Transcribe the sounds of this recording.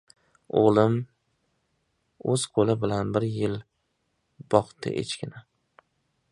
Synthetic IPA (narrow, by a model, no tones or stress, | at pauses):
o̰ʁlˠɪm | ɵz̥qʰolɪbɪlanbɪɾjɪl | b̥ɒqt̪ɪ̰ʔḛt͡ʃkʲɪnɪ